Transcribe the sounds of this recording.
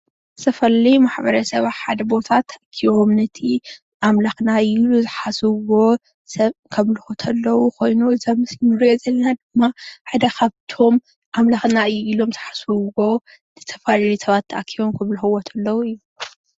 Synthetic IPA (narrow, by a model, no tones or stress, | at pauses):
sɐfɐlimaħbɐɾɐsɐβaħad̪ɐbo̞t̪ʰat̪ʰːɐʔakʰiβo̞mnɐt̪ʰi | ʔamlaxnailuzɨħasɨwo̞ | sɐβkʰɐmlɨxot̪ʰɐlːɐwukʰo̞jnuɨzamɨsjɪnɨɾjozɐlːɐnad̪ɨmːaħad̪ɐkʰaβt̪ʰo̞m | ʔamlaxnaɨjːuilo̞mzɨħasɨwo̞ | zɨt̪ʰɐfalalisɐβat̪ʰːɐʔakʰːiwomkʰɐmlɨxɨwot̪ʰɐlːɐwuɨjːu